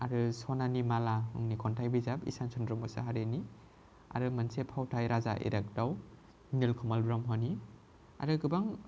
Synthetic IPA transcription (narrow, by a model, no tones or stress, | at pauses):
aɾɯsɔnanimalahɯŋnikʰɔntʰajbizabḭsansʰɔndɾɔmɔsa̰ɦaɾeni | a̰ɾɯmansepʰawtʰajɾaza̰ʔḛɾak̚daw | nilkʰɔmalbɾamɦɔni | a̰ɾɯɡɯbaŋ